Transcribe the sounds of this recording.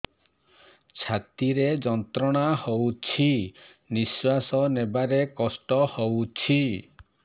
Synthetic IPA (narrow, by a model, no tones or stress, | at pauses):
t͡ʃʰat̪iɾed͡ʒɔnt̪ɾɔɽ̃ahowt͡ʃʰi | niswasɔnebaɾekɔsʈɔhowt͡ʃʰi